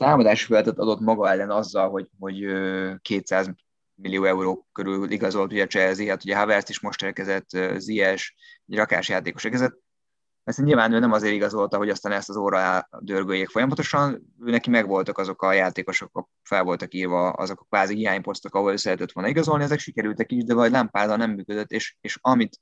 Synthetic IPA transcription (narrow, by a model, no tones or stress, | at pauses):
t̪aːmɒd̪aːʃi̥fɛlɛt̪ɛt̪ɒd̪o̞t̪mɒɡɒɛlːɛnɒzːɒlɦo̞ɟho̞ɟøːkeːt̪saːz | milːijoːɛuɾoːkøɾylliɡɒzo̞lt̪uɟɛt͡ʃɛziɛt̪huɟɛɦavɛɾst̪iʃmo̞ʃt̪eːrkɛzɛt̪ːøziɛʃɛɟrɒka̰ːʃjaːt̪eːko̞ʃɛkɛzɛt̪̚ | pɛrsɛɲilvaːnøːnɛmɒzeːɾiɡɒzo̞lt̪ɒɦo̞ɟɒst̪aːnɛst̪ɒzoːɾɒɛd̪ørɡøːjeːkfo̞jɒmɒt̪o̞ʃɒn | øːnɛkimɛɡvo̞lt̪ɒkɒzo̞kɒjaːt̪eːko̞ʃokːɒ | fɛlvo̞lt̪ɒkiːrvɒɒ̰zo̞kkʋaːzihiaːɲpo̞st̪okɒɦoɒløːsɛɛt̪ɛt̪ːʋo̞lniɡɒzo̞lniɛzɛkʃikɛɾylt̪ɛkiʒd̪ɛvɒɟlampaːzɒnɛmːyːkød̪øt̪ːeːʃeːʃɒmit̪